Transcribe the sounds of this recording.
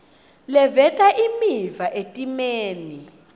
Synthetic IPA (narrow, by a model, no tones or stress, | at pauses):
lɛvɛtʼaʔimivaʔetʼimeːni